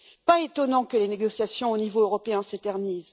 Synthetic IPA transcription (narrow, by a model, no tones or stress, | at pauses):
paet̪ɔnɑ̃kəleneɡɔsjasjɔ̃onivoøʁɔpeɛ̃set̪ɛʁniz